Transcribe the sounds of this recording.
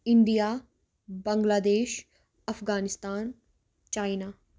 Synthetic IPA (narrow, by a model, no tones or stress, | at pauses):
ɪɳɖijaː | bɐ̃ŋɡlaːd̪eːʃ | ɐfɡaːnɪst̪aːn | t͡ʃaːinaː